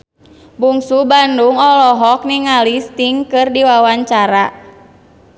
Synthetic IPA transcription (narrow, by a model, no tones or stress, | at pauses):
buŋsubanduŋɔlɔɦɔk̚niŋalist̪iŋkɨrdiwawaɲt͡ʃaɾa